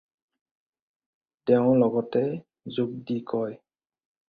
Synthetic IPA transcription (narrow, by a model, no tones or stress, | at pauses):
tɛʊ̃lɔɡɔtɛ | zuk̚dikɔj